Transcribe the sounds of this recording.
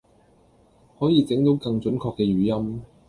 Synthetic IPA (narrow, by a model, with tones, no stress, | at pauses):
hɔː˨˥jiː˨˧t͡sɪ˨˥ŋt̪o˨˥wkɐ˧ŋt͡ʃɵ˨˥nkʰɔː˧kːɛː˧ɥyː˨˥jɐ˥m